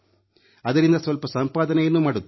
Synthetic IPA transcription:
ɐd̪ɐɾind̪ɐsʋɐlpɐsɐmpaːd̪ɐnɛjɐnːumaːɽut̪ː

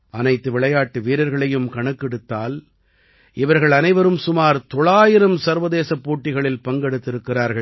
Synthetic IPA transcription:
ʔɐnɐɪt̪ːɯʋɪɭɐjaːʈːɯʋiːɾɐɾɣɐɭɐjɯmkɐɳɯkːɪɽɯt̪ːaːl | ɪʋɐɾɣɐɭɐnɐɪʋɐɾɯmsʊmaːɾt̪ɔɭaːjɪɾɯmsɐɾʋɐðeːsɐpːoːʈːɪɣɐɭɪlpɐŋɡɛɽɯt̪ːɪɾɯkːɪraːɾɣɐɭ

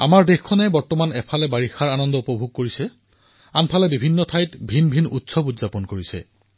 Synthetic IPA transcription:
a̰maɹdexkʰɔnɛbɔɹtɔmanɛpʰalɛbaɹixaɹanɔndɔupɔbʱuɡ̚koɹisɛ | anpʰalɛbibʱinːɔtʰajtbʱinbʱinutsɔbudzapɔnkoɹisɛ̰

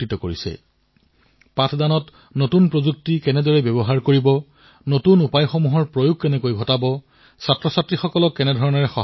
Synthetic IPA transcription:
itɔkoɹisɛ̰ | patʰdanɔt | notunpɹozuk̚tikɛnɛdɔɹɛbjɛbɔɦaɹkoɹibɔ | notunupajxomuɦɔɹpɹojʊɡ̚ʱkɛnɛkojɡʱɔtabɔ | satɹɔsatɹixɔkɔlɔkːɛnɛdʱɔɹɔnɔɹɛxɔ

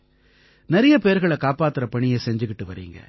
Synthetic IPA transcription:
nɛɾɐjɐpeːɾɣɐɭɛkaːpaːt̪ːɯɾɐpɐɳɪjɐsɛɲd͡ʒɯkːɪʈːɯʋɐɾḭːŋɡɐ̰

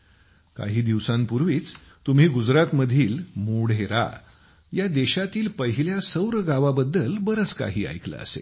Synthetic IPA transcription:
ka̰ɦiːd̪iʋsãmpuɾʋiːt͡s | t̪um̤iːɡud͡zɾat̪məd̪ʱiːlmoɽ̤eɾa̰ | jad̪eɕat̪iːlpəɦiljasəwɾəɡaʋabəd̪ːəlbəɾət͡ska̰ɦiːa̰jklə̰ə̰sḛ

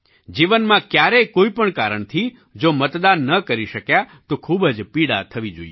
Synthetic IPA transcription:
d͡ʒiʋənmãkjaɾɛkoipəɳkaɾəɳt̪ʰi | d͡ʒomət̪d̪anːəkəɾiʃəkjat̪okʰubəd͡ʒpiɽa̰t̪ʰəʋid͡ʒo̰ije

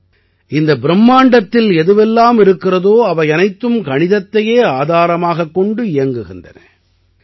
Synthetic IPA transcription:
ʔɪnd̪ɐbɪɾɛmːaːɳɖɐt̪ːɪlɛðɯʋɛlːaːmɪɾɯkːɪrɐðoːɐʋɐɪɐnɐɪt̪ːɯmkɐɳɪðɐt̪ːɐjeːaːðaːɾɐmaːɣɐkːɔɳɖɯɪjɐŋɡɯɣɪndrɐ̰nɐ̰

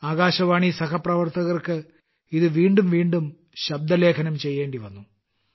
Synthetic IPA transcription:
aːɣaːɕɐʋaːɳisɐkɐprɐʋɐrt̪ɐɣɐrkɨ | iðɨʋiːɳɖumʋiːɳɖum | ɕɐb̚d̪ɐle̞ːkʰɐnɐmt͡ɕe̞jːe̞ːɳɖiʋɐnːu

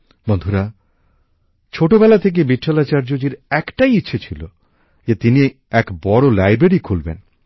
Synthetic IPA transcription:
bond̪ʱuɾa | t͡ɕʰoʈobɛlat̪ʰek̬ebiʈʰːalat͡ɕaɾd͡ʑod͡ʑiɾɛkʈajitːɕʰet͡ɕʰilo | d͡ʑet̪ini | ɛkbɔɽolajbɾeɾikʰulbḛn

